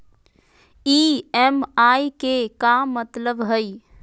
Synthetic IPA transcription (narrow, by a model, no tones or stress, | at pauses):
iːɛmaːikekamət̪ləbɦəi